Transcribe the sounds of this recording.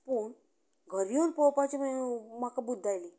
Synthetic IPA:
puɳ | ɡʱəɾijonpɔpat͡ɕiməmakabud̪ːajli

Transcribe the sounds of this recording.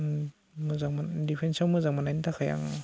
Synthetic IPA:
mɯzaŋmadipʰensawmɯzaŋmanajntʰakʰaja̰ŋ

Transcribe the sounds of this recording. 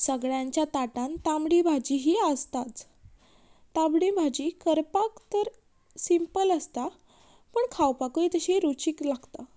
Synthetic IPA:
səɡɭjãɲt͡ɕjat̪aʈãnt̪amɽibʱad͡ʑiɦiəst̪at͡s̪ | ãbɽibʱad͡ʑikəɾpakt̪əɾ | simpələst̪a | pəɳkʰawpakuit̪əɕeɾut͡ɕiklaɡt̪a

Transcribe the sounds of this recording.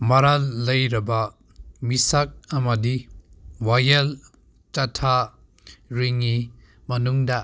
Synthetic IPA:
mɐɾalːɐjɾɐba | misak̚ɐmɐdiwajɐl | t͡ʃatʰa | ɾiŋːi | mɐnuŋda

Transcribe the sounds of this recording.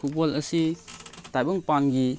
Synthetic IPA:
kubɔlɐsitajbɔŋpanɡi

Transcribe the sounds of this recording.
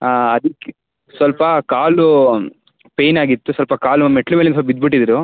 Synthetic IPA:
ɐd̪ikːe | sʋɐlpɐkaːlu | pe̞ːjnaːɡit̪ːusʋɐlpɐkaːlumeʈːlumeːlensɐpɐbid̪̚biʈ̬ːid̪ɾu

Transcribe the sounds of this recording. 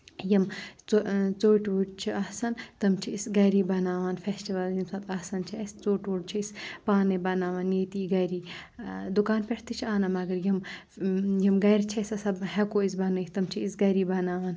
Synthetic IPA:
jɐmt͡sot͡soːʈʋuɖt͡ʃʰiasɐnt̪ɐmt͡ʃʰiisɡɐɾiːbɐnaːʋaːnfesʈiʋɐljimsɐt̪asɐnt͡ʃʰiɐst͡soːʈʋuɖt͡ʃʰiispaːnebɐnaːʋanjeːt̪iːɡɐɾiːd̪ukaːnpʲeʈʰt̪it͡ʃʰiaːnɐmɐɡɐɾjɐm | jimɡɐjɾt͡ʃʰɐsɐsɐbɦɛkoːisbɐnɨt̪ɐmt͡ʃʰiisɡɐɾiːbɐnaːʋaːn

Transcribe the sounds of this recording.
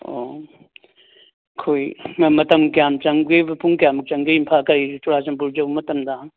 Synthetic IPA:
o̰ | kʰojmɐtɐmkjamt͡ʃɐŋɡebɐpuŋkjamɐt͡ʃɐŋɡɯimpʰakɐɾit͡ʃuɾasɐmpuɾd͡ʒɐwmɐtɐmdɐ

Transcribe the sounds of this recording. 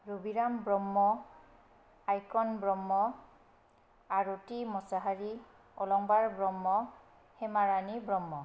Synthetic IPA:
ɹubiɹambɹɔmːɔ | ajkɔnbɹɔmːɔ | aɹotimɔsaɦaɹi | ɔlɔŋbaɹbɹɔmːɔ | hɛmaɹanibɹɔmːɔ

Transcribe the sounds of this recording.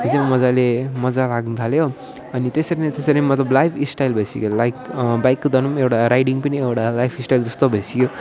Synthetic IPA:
ʌd͡zemmʌd͡zalemʌd͡zalaɡnut̪ʰaljo | ʌnit̪esʌɾinet̪esʌɾinmʌt̪lʌblajpʰisʈajlbʱesḭkolajkbajkːod̪ʱʌnumewʈaɾajɖiŋpʌniewʈalajpʰisʈajld͡zʌst̪obʱesikjo

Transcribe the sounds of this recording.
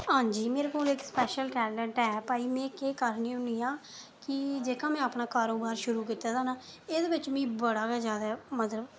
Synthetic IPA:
ɦãːd͡ʒiːmeːɾeːkoːlɪkspɛːʃəlʈɛːləɳʈɛːpaːiːmɛ̃ːkeːkəɾnĩːʊniːãː | kɪd͡ʒeːkãːmɛ̃ːaːpɳaːkaːɾoːbaːɾʃʊɾuːkiːt̪aːd̪aːnaːeːd̪eːbɪt͡ʃmĩːbəɽaːkaːzjaːd̪aːmət̪ləb

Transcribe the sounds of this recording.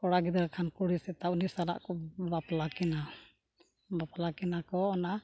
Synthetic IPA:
kɔɽaɡid̪aɾkʰankuɽisɛt̪aunisala̰ʔkɔbaplakɛna | baplakɛnakɔɔna

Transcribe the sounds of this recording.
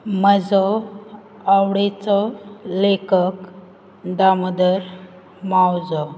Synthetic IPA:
məd͡zɔ | awɽet͡sɔlekək | d̪aməd̪əɾ | mawd͡zɔ

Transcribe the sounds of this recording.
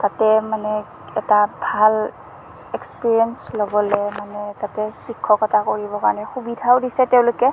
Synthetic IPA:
tatɛmanɛ | ɛtabʱal | ɛkspiɹiɛnslɔbɔlɛmanɛtatɛhikʰːɔkɔtʰakɔɹibɔka̰nɛhubidʱawdisɛtɛwlɔke

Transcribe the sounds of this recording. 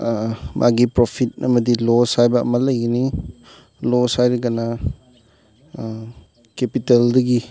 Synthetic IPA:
mʔa̰ɡipɾopʰit̚ɐmɐdilosajbɐ̰ːmɐlɐjɡini | losajɾiɡana | kepiteldɐɡi

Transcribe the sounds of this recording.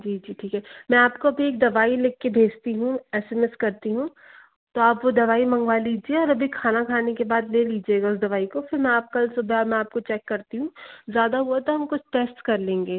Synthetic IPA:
d͡ʒiːd͡ʒiːʈʰiːkɦɛːmɛ̃aːpkoɐbʱieːk̚d̪ɐʋaːileːkːebʱeːd͡ʒt̪iɦũɛːsemeskɐɾt̪iɦũ | t̪oaːpʋod̪ɐʋaːimɐ̃ŋɡʋaliːd͡ʒieɔːɾɐbʱikʰaːnakʰaːnekebaːd̪leːliːd͡ʒieːɡaʊs̬d̪ɐʋaːikofɪɾmɛ̃aːp̚kɐlsʊbʱɛɔmɛ̃aːp̚kot͡ʃɛːkːɐɾt̪iɦũzjaːd̪aɦuat̪oɦɐmkʊt͡ʃʰʈeːsʈkɐɾlẽːŋɡeː

